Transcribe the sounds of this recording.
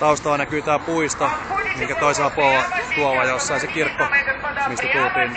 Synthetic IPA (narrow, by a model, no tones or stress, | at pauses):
t̪ɑust̪ɑʋɑinɑkyːt̪æːpuist̪ɑmiŋkæt̪oiselɑpuoʋɑt̪uoʋɑjosːɑisekirkːomist̪æt̪ult̪yːn